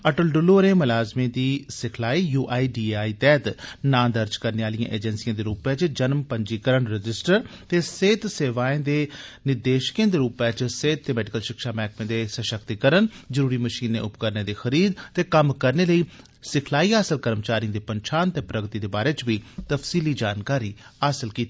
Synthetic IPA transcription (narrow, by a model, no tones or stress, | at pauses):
əʈəlɖʊlːoːɾeːmʊlaːzmẽːd̪iːsɪkʰlaːiːjuːʔaːiːɖiːaːiːt̪ɛːt̪nãːd̪əɾd͡ʒkəɾneaːlijã̰ːʔḛːd͡ʒənsijãːd̪eːɾuːpɛ̃ːt͡ʃd͡ʒənmpəɲd͡ʒiːkəɾənɾɪd͡ʒɪsʈəɾ | t̪eːseːt̪seːʋaːẽːd̪eːnɪd̪eːʃkẽːd̪eːɾuːpɛːt͡ʃseːt̪̚ːeːmɛːɖɪkəlʃɪkʃaːmɛːk̚pẽːd̪eːsəʃəkt̪ikəɾənzəɾuːɾiːməʃiːnːḛ̃ːʔʊpkəɾneːd̪eːxəɾiːd̪t̪eːkəmkəɾneːləiː | sɪkʰlaːiːaːsəlkəɾmt͡ʃaːɾijə̃ːd̪eːpəɲt͡ʃʰaːnt̪eːpɾəɡt̪iːd̪eːbaːɾeːt͡ʃʋiːt̪əpsiːliːd͡ʒaːnkaːɾiː | aːsəlkiːt̪iː